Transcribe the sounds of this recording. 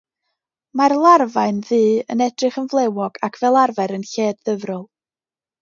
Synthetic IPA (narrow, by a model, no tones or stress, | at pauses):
marlˠarvaɨnðɨːənɛdrɨχənvlˠewɔɡ̥akʰv̥ɛlˠarvɛɾənɬeːd̚ðəvrʊlˠ